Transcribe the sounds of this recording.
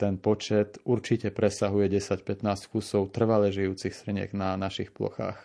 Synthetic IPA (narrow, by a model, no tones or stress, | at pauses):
t̪ɛnpɔt͡ʃɛt̪uɾt͡ʃicɛpɾʔɛsaɦujɛɟɛsacpɛt̪naːsckusɔʊt̪r̩ʋalɛʒijuːt͡sixsr̩ɲɪɛ̰ɡnanaʃixplɔ̰xa̰ːx